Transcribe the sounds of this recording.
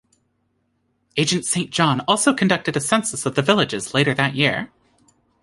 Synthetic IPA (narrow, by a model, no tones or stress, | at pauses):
eɪd͡ʒɨ̃ntsẽɪ̃nd̥ʒ̥ɑ̃nɔlˠsoʊkʰɨ̃n̩dʌk̚tɨɾɨsɛ̃nsəsʌvðɨvɪlˠɨd͡ʒɨzleɪɾə˞ðɨʔ̚jɪɹ